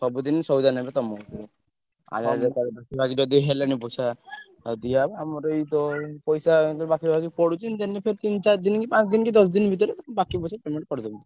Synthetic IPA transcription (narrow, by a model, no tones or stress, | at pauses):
sɔbud̪insɔbud̪anabet̪ɔmɔte | a̰d͡ʒad͡ʒet̪aɾebakibʱakid͡ʒɔd̪iɦelenipɔjsa | d̪ijabamɔɾeit̪ɔpɔjsaɔɾbakibʱakipɔɽut͡ʃʰint̪enːepʰeɾt̪int͡ʃaɾd̪inkipãt͡ʃd̪inkid̪ɔsd̪inbʱit̪̬ɔɾet̪bakipɔjsapɾemeɳʈpɔɽd̪ɔmt̪